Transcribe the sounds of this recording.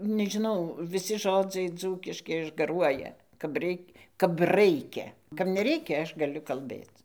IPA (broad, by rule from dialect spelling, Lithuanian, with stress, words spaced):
nʲɛʒʲɪˈnɐʊ ʋʲɪˈsʲɪ ˈʒoːd͡zɐɪ ˈd͡zuːkʲɪʃʲkʲɪ ɪʒɡɐˈruɔjɛ kɐp ˈrʲɛɪkʲ kɐp ˈrɐɪkʲɛ kɐp nʲɛˈrʲɛɪkʲɛ ˈɐʃ ɡɐˈlʲʊ kɐlʲˈbʲeːt͡s